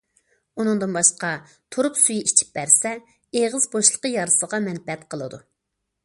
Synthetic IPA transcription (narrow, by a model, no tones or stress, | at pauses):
unɨŋd̪ɨnbɑʃqɑ | t̪ʰoɾupsujiʔit͡ʃʰi̥p̚bæɾsɛ | eʁəzboʃlˠə̥qəjɑɾsəʁɑmɛnbɛt̪qʰəlˠɨd̪u